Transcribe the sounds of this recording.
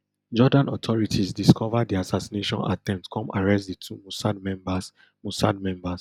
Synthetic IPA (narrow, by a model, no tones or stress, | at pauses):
d͡ʒɔdãnɔtʰɔɹitʰisdiskʰɔvaddiasasineʃɔ̰̃na̰tʰɛ̃mp̚tkʰɔ̃maɹɛstditʰumusadmɛ̃mbas | musa̰d̚mɛ̃mbas